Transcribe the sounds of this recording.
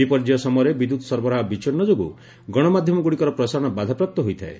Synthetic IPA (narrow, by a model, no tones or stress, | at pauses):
ipɔɾd͡ʒiɔsɔmɔɾebid̪ud̪ɔsɔɾbɔɾaɦɔbit͡ʃɔɾnɔd͡ʒoɡṵ | ɡɔɽ̃ɔmad̪ʱjɔmɔɡuɽikɔɾɔpɾɔsaɾɔɽ̃ɔbad̪ʱapɾap̚t̪ɔɦojt̪ʰaḛ